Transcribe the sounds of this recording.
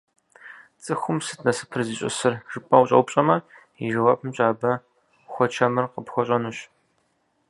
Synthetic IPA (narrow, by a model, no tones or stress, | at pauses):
t͡sʼɨxʷʊmsɨtʰnɐsɨ̥pʰɨrziɕʼɪ̰sɨrʒ̥ɨpʼɐwʊɕʼɐ̰wpʼɕʼɐmɐ | iʒɨwapʰmɕʼaːbɐ | xʷɔt͡ʃʰɐmɨrqəpxʷɔɕʼɐnuːɕ